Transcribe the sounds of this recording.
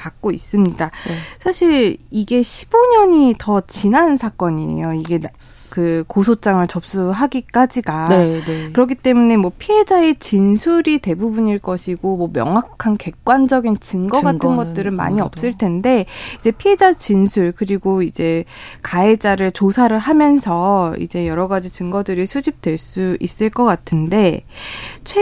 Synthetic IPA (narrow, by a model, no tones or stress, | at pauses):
kak̚k͈ois͈ɯmɲidasʰaɕʰiɭiɡe̞ɕʰi̥boɲʌɲitʌt͡ɕinansʰak͈ʌɲiḛjoiɡe̞ | kɯkosʰot͡ɕ͈aŋɯɭt͡ɕʌp̚s͈uɦaɡik͈ad͡ʑiɡakɯɾʌkʰit͈e̞mune̞mwʌpʰie̞d͡ʑae̞t͡ɕinsʰuɾite̞bubuɲiɭk͈ʌɕʰiɡomwʌmjʌ̰ŋɦwakkʰanke̞k̚k͈wand͡ʑʌɡint͡ɕɯŋɡʌɡatʰɯnɡʌt̚t͈ɯɾɯnma̰ɲiʌp̚s͈ɯɭtʰe̞nde̞id͡ʑe̞pʰied͡ʑat͡ɕinsʰuɭkɯɾiɡoid͡ʑe̞kae̞d͡ʑaɾɯɭt͡ɕosʰaɾɯɭɦamjʌnsʰʌḭd͡ʑe̞jʌɾʌɡad͡ʑit͡ɕɯŋɡʌdɯɾisʰud͡ʑip̚twe̞ɭs͈uis͈ɯɭk͈ʌk͈atʰɯnde̞ | t͡ɕʰe